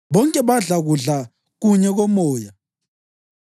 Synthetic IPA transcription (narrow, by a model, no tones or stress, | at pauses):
βɔŋkʼɛβaɮaɣuɮa | ɣuɲɛɣɔmɔːja